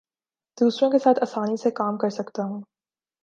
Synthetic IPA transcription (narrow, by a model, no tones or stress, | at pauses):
d̪̥uːsɾõkesaːt̪ʰɐsaːnisekaːmkɐɾsɐkt̪aɦũː